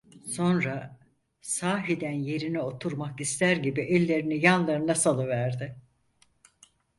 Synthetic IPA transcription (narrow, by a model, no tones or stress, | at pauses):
so̞nɾa | saːɦid̪ænje̞ɾinɛo̞t̪ʰuɾmakist̪ʰæɾɟibiʔɛlʲːe̞ɾinijanlˠaɾɯnasalˠɯvæɾd̪ɪ